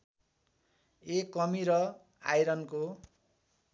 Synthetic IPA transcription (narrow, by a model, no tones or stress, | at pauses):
ekːʌmiɾʌ | a̰jɾʌnko